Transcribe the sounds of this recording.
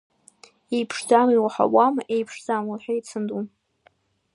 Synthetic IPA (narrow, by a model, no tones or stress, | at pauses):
ejpʰʂd͡zamilħa̰wamʔejpʰʂd͡zamulħᶣajt͡sʰɨndum